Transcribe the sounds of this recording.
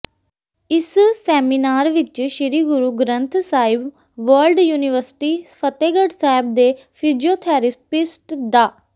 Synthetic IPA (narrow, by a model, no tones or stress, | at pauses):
ɪssɛːmiːnaːɾʋɪt͡ʃʃɪɾiːɡʊɾuːɡɾənt̪ʰsaːɪb | ʋəlɖjuːniʋəɾsʈiːpʰət̪eːɡəɖsaːɪb̚d̪eː | pʰiːd͡ʒioːt̪ʰɛːɾɪspɪsʈd̪aː